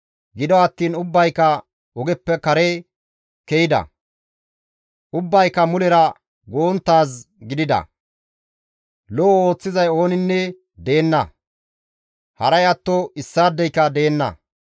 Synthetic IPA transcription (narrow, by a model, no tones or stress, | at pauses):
ɡɪd̪ɔɐt̪ːiːnʊbːɐjkːɐ | ɔɡɛpːɛkɐɾe | kɛjɪd̪ɐ̰ | ʔʊbːɐjkːɐmʊlɛɾɐ | ɡoːnt̪ːaːs̬ | ɡɪd̪ɪd̪ɐ̰ | lɔo̞ːt͡sːɪzɐjo̞ːnɪnːɛ | d̪e̞ːnːɐ̰ | hɐ̰ɾɐjɐt̪ːɔɪsːaːd̪ːɛjkːɐd̪e̞ːnːɐ̰